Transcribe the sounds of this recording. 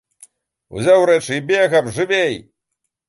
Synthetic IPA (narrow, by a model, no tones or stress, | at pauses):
ṵzʲawɾɛt͡ʂɨibʲeɣɐbʐɨvʲej